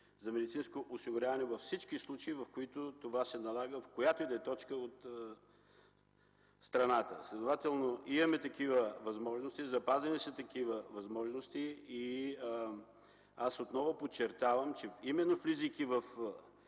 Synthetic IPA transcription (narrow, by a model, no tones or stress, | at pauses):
zɐmɛd̪it̪sinskoʔʊsiɡʊɾʲavɐnɛvɐfsit͡ʃkislˠut͡ʃɐivɐfkoit̪ʊt̪ovasɛnɐlˠaɡəfkojat̪oid̪ɐɛt̪ɔt͡ʃkəot̪ | st̪ɾɐnat̪əslʲɛd̪ovat̪ɛlˠnoimɐmɛt̪ɐkivəvɐzmɔʒnost̪izɐpazɐnisət̪ɐkivəvɐzmɔʒnost̪ii | asot̪nɔvʊpot͡ʃːɛɾt̪avəmt͡ʃɛimɛnːoflizəjkivɐf